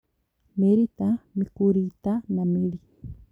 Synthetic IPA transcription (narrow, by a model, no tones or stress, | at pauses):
meɾit̪amikuɾit̪anameɾi